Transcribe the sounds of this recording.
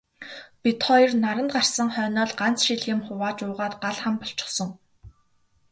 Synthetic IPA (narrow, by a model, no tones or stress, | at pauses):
pʲit̪χɔjirnaɾə̆nt̪ɢar̥sə̆ŋχœːnɔːɮɢant͡sʃiɮɣĭmχʊwaːt͡ɕʊːʁaːt̪ɢaɮχămpɔɬt͡ɕɪ̆χsɞ̆ŋ